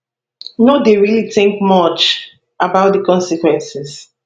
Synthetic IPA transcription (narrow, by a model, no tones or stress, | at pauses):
nodeɹiliθɪ̃ŋkmʌt͡ʃ | ʔabaʊt̚dəkɔ̃nsikwɛ̃nsiz